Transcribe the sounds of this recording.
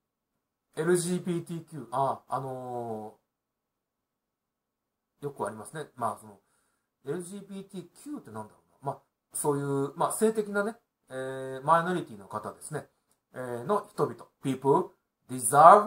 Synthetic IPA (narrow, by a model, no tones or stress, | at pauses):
e̞ɾɯ̟ʑiːbʲiːt̪ʲikʲɨːʔaano̞ | jo̞kɯ̟aɾʲimasɨne̞maːso̞no̞ | e̞ɾɯ̟ʑiːbʲiːt̪ʲiːkʲʰɯ̟ːt̪ːenãnd̪aɾo̞ːnamaː | so̞ːjɯ̟ːmaːse̞ːt̪e̞kʲinane̞ | eːmaino̞ɾʲit̪ʲiːno̞kat̪ad̪e̞sɨne̞ | eno̞çi̥t̪o̞bʲit̪o̞pʲiːpɯ̟ | d̪ʲiza